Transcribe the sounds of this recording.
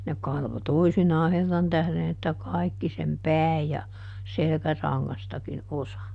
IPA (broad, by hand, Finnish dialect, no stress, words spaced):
ne kɑlʋo toisinɑː herːɑn tæhðen etːæ kɑˑikːi sem pæːj jɑ selkærɑŋːɑstɑkin osɑ